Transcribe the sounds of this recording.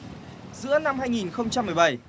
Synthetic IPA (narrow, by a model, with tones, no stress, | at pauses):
zɨ̰˧˥əna˧mɦaː˧jŋi˨˩nxə˧wŋ͡mt͡ɕa˧mːɨ˨˩əjɓa˨˩j